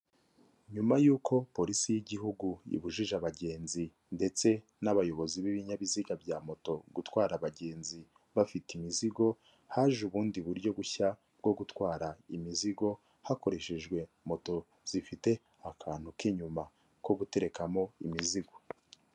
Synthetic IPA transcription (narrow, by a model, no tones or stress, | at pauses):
ɲumajuːkʰo̞po̞ɾisijiɟiɦuɡuḭβuʒiʒaβaɟe̞ːnzi | nde̞t͡se̞ | naβajo̞βo̞ziβiβiɲaβiziɡabɟaːmo̞to̞ɡutwaːɾaβaɟe̞ːnzi | βafitimiziɡo̞ | haːʒuβuːndiβuɾɟo̞ɡuça | b̚ɡo̞ɡutwaːɾaimiziɡo̞ | hako̞ɾe̞ʃe̞ʒɡwe̞ | mo̞to̞ | z̥ifite̞ | akʰaːn̥hukiɲuma | ko̞ɡute̞ɾe̞kamo̞imiziɡo̞